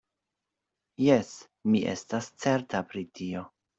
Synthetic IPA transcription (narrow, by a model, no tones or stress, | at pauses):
je̞s | miʔe̞̰stast͡se̞ɾtapɾitio̞